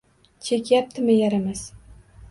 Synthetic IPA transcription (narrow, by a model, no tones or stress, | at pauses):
t͡ʃʰekʲjap̚t̪ʰɪmɪjaɾamaz